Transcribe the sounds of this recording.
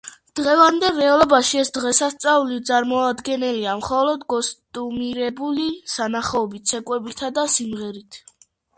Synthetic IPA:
d̪̥ʁɛvand̪ɛɾɛalˠɔbaʃiɛsd̪ʁɛsast̪sʼavlit̪sʼaɾmɔad̪ɡɛnɛliamχɔlɔd̪ɡɔst̪ʼumiɾɛbulisanaχɔɔbit̪sʰɛkʼwɛbit̪ʰad̪asimʁɛɾit̪ʰ

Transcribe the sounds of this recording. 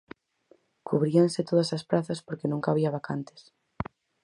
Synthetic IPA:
kʰuβɾiansɪt̪oðɐsɐspɾaθɐspoɾkenũŋkaβ̞iɐβakant̪ɪ̥s

